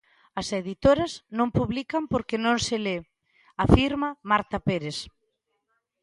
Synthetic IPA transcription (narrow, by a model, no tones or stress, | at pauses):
ɐseðit̪oɾɐznõmpuβlikɐmpoɾkenõŋsele | afiɾmɐmaɾt̪ɐpeɾes